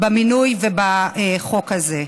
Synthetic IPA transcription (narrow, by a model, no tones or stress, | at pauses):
baminujvebaeχo̞khaze